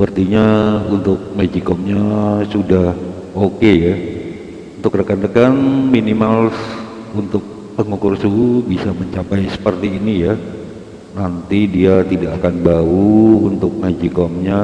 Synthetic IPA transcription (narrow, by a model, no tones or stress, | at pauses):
pərt̪iɲaunt̪ʊk̚mad͡ʒikɔmɲasudah | okeja | unt̪ʊkrəkand̪əkanminimals | unt̪ʊk̚ | pəŋukʊrsubisaməɲt͡ʃapajsə̥pərt̪iːnija | nant̪idiat̪idaʔːkanbauːnt̪ʊk̚mad͡ʒikɔmɲa